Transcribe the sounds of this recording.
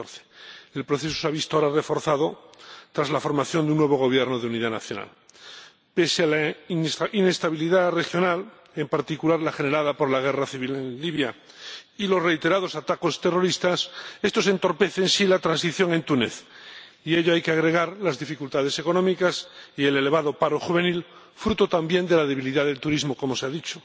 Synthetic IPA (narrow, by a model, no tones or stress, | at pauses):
θe̥elpɾoθesu̥saβist̪oaɾare̞fo̞ɾθaðo̞t̪ɾazlafo̞ɾmaθjo̞nd̪eunːweβo̞ɣ̞o̞β̞je̞ɾnoðeuniðana̰θjo̞̰na̰l | pe̞sealansʔine̞st̪aβ̞iliðare̞xjo̞nal | e̞mpaɾt̪ikulaɾlaxe̞neɾaðapo̞ɾlaɣ̞e̞raθiβilenliβja | ilo̞sre̞jt̪e̞ɾað̞o̞sat̪ako̞st̪e̞ro̞ɾist̪asest̪o̞se̞nt̪o̞ɾpe̞θensilat̪ɾansiθjo̞ŋe̞nt̪uneθ | ie̞ʎoajkeaɣ̞ɾe̞ɣaɾlazðifikult̪að̞e̞se̞ko̞nõ̞mikasie̞le̞le̞β̞aðo̞paɾo̞xuβe̞nil | fɾut̪o̞t̪ambje̞nd̪e̞laðe̞β̞iliðaðelt̪uɾizmo̞ko̞mo̞seaðit͡ʃo